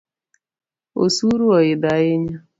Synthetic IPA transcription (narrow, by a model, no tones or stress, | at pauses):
o̰suɾuɔɪdaɪɲa